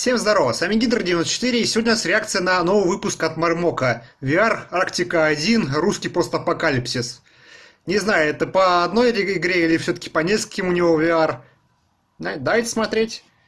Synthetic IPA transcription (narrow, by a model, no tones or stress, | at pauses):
fsʲemzd̪ɐɾo̞vəsamʲiɡʲid̪ɾədʲɪnost̪ət͡ɕɪt̪ɨɾʲɪːsʲɪvodʲnʲənasɾʲɪak̚t̪sɨjənɐno̞vəvɨpʊskɐt̪mɐrmo̞kəvʲɪaraktʲɪkəɐdʲinruskʲijpost̪ɐpɐkalʲɪpsʲɪs | nʲɪznajʊɛt̪əpəɐd̪no̞jʲɪɪɡɾʲeilʲɪfsʲot̪ə̥kʲɪ̥pɐnʲeskəlʲkʲɪmʊnʲɪvo̞vʲɪar | nad̪ajɪt̪ʲsmɐt̪ɾʲetʲ